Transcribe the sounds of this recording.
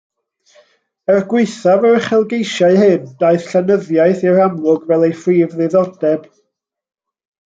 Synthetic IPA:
ərɡwɪɨθavərχɛlˠɡejʃaɨhɨnd̥aɨθɬanəðjajθiɾamlʊɡvɛlˠejfriːvðɨðɔdɛb̥

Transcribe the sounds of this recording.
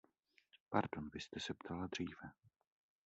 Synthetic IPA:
paɾdo̞nvɪst̪ɛsɛpt̪ʰalad̪r̝iːvɛ

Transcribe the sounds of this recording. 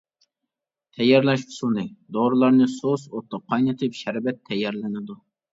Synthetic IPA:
t̪ʰɛjːɛɾlɛʃʊ̥sunɨd̪oɾɨlˠɑɾnɨsosot̪ːəqʰɑjnɨt̪ʰɨpʃɛɾvɛt̪ʰːɛjːɛɾlɪnɪd̪u

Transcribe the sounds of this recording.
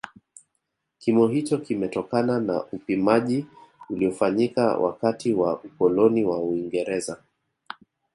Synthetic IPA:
kimɔɦit͡ʃɔkimɛtɔkanana̰ʔupimaʄiuliɔfaɲika̰wʔa̰katiwaukɔlɔniwauiŋɡɛɾɛza

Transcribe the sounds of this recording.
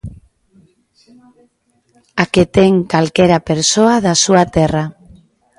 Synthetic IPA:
aket̪eŋkalkeɾapeɾsoaðasuat̪era

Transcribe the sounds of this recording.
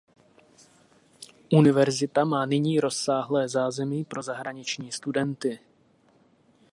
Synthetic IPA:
ʔunɪvɛɾzɪt̪amaːnɪɲiːɾo̞sːaːɦlɛːzaːzɛmiːpɾo̞zaɦɾaɲɪt͡ʃɲiːst̪udɛnt̪ɪ

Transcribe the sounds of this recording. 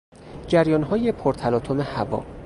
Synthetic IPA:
d͡ʒæɾjɒːnɦɒːjepʰoɾt̪ʰælɒːt̪ʰome̞hævɒ̰ː

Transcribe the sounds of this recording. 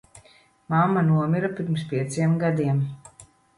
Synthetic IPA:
mamːanuɔmiɾapʲiɾmspʲiɛt̪siɛmɡad̪iɛm

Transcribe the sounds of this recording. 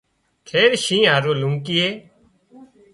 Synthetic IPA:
k̪ʰeːɾʃĩːɦaːɾoːlʊŋkiːeː

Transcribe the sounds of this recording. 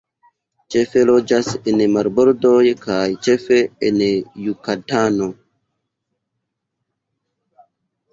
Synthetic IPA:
t͡ʃefe̞lod͡ʒasenmaɾboɾdojkʰajt͡ʃefeenjukatano

